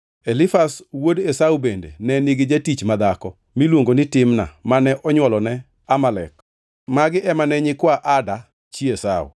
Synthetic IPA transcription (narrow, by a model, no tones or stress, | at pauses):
elɪfaswodesaubendḛnɛniɡɪd͡ʒatit͡ʃmad̪akɔ | milwoŋɡonɪtɪmna̰manɛʔɔɲwɔlɔnɛ | amalɛk | maɡɪʔɛmanɛɲɪkwaʔada | t͡ʃiesa̰ʊ̰